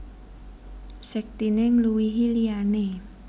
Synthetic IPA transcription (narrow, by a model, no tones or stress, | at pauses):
sɛk̚t̪ineŋluwiɦiliane